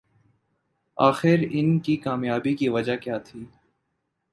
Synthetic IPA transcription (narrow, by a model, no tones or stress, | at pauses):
aːxɪɾɪnkikaːmjaːbikiʋɐd͡ʒakjaːt̪ʰiː